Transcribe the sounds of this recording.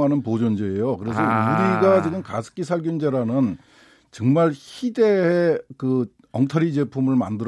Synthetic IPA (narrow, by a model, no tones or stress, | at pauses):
ɦanɯnpod͡ʑond͡ʑeːjokɯɾe̞s̬ʰʌuɾiɡat͡ɕiɡɯmkasʰɯ̥k͈ʰisʰaɭɡund͡ʑeɾanɯn | t͡ɕʌŋmaɭçide̞ːkɯ | ʌŋtʰʌɾid͡ʑepʰumɯɭma̰ndɯɾ